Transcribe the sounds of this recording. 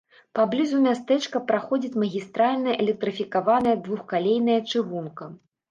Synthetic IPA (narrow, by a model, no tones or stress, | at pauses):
pablʲizumʲast̪ɛt͡ʂkɐpɾaxɔd͡zʲit͡sʲmɐɣʲist̪ɾalʲnɐɛlʲɛk̚t̪ɾɨfʲikavanɐjɐd̪vuxkalʲejn̪ɐjɐt͡ʂɨɣunkɐ